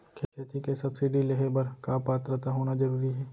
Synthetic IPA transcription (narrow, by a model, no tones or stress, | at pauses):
kʰeːkʰeːt̪ikesɐbsɪɖileɦebɐɾkaːpaːt̪ɾət̪aɦoːnad͡ʒɐɾuːɾiɦɛː